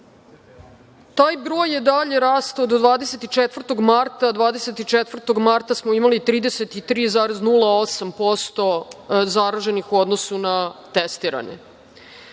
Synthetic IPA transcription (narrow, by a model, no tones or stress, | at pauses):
t̪aːjbɾo̞ːjed̪aʎe̞ɾaːst̪aod̪od̪ʋaːd̪eset̪it͡ʃet̪vr̩t̪o̞ɡmaɾt̪ad̪ʋaːd̪eset̪it͡ʃet̪ʋr̩t̪o̞ɡmaɾt̪asmoimalit̪ɾiːd̪e̞set̪it̪ɾiːzaːɾeznulˠao̞sampo̞st̪o̞zaɾaʒe̞nixuo̞d̪nosunat̪est̪iːɾa̰ɲḛ